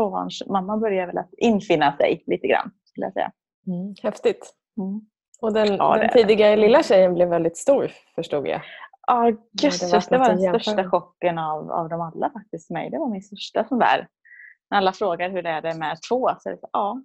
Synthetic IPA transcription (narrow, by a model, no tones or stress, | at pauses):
oːva̰nʂmamːabœɾjaɾvɛlat̪ɪnːfɪnːasɛ̰jliːt̪əɡɾa̰nːskɵləja̰sɛ̰jːa̰ | hɛft̪ɪt̪ | m̩ː | ɔd̪ɛn̰ːd̪ɛn̰t̪iːd̪ɪɡaɾəlɪlːaɕɛjənblɛvːɛld̪ɪt̪st̪uːɾ | fœʂʈṵːɡ̪ja̰ʔɑɡɵɪsd̪ɛvaɖɛnsœʂtaɧɔkːənava̰vd̪ɔmalːafak̚t̪ɪst̪mɛ̰jd̪ɛvaɾmɪnst̪œʂʈasɔnd̪æ̰ːɾ | nɛɾalːafɾoːɡaɾhɵɖɛæɖɛmɛt̪ʰvoːsɔɛ̰lɛsaʔɑː